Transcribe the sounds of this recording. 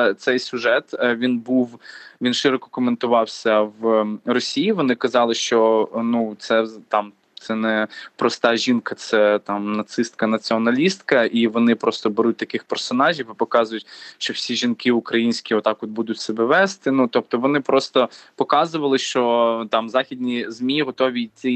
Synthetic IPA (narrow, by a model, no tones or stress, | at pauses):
t̪sɛjsʲʊʒɛt̪ʋʲinbuwʋʲinʃɪɾɔkɔ̥kɔment̪ʊʋɑwsʲɐʋrɔsʲijiʋɔnɪkɐzɑlˠɪʃt͡ʃɔnut̪sɛt̪ɑm | t̪sɛnɛpɾɔst̪ɑʒʲinkɐt̪sɛt̪ɑmnɐt̪sɪst̪̚kɐnɐt͡sʲiɔnɐlʲist̪kɐʔiʋɔnɪpɾɔst̪ɔbeɾut̚ʲt̪ɐkɪxpɛrsɔnɑʒʲiwipɔkɑzʊjʊtʲʃt͡ʃɔwsʲiʒʲinkɪʊkɾɐjinʲsʲkʲiɔt̪ɑkɔd̪̚bud̪ʊtʲsɛbɛʋɛst̪ɪnut̪ɔp̚t̪ɔʋɔnɪpɾɔst̪ɔpɔkɑzʊʋɐlˠɪʃt͡ʃɔt̪ɑmzɑxʲid̪ʲnʲizmʲiɦɔt̪ɔʋʲit͡sʲi